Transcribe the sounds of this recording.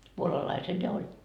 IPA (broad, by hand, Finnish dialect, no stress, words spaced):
puolɑlɑisel jɑ olʲ